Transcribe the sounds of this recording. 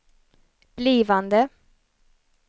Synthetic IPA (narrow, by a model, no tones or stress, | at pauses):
b̥liːvand̪ə